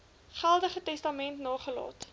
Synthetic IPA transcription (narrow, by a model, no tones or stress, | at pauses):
χælˠdəχətɛstɐmɛntnɑːχəlɑ̰ːt